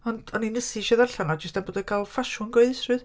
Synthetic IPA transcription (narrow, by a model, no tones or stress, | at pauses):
ɔndɔninəsiʃɛðarɬanɔd͡ʒəstanboːdɛkʰaːlˠfaʃʊnɡoɨðɪstrɨð